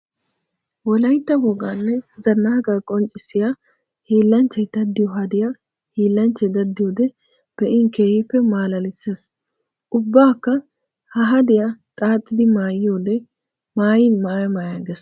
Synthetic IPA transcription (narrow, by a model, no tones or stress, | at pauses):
wɔlɐjt̪ːɐbɔɡanːɛzɐnːaːɡakʼɔnt͡ʃʼːɪsːɪja | hiːlːɐnt͡ʃːɐjd̪̥ɐd̪ːɪjɔɦɐd̪ɪja | hiːlːɐnt͡ʃːɐjd̪ɐd̪ːɪjoːd̪ɛ | b̥ɛʔɪŋkeːhɪpːɛmaːlɐlɪseːs | ʔʊbːaːkːɐ | hɐɦɐd̪ɪjat̪ʼaːt̪ʼːɪd̪ɪmaːjɪjoːd̪ɛ | maːjɪnmaːjɐmaːjaɡes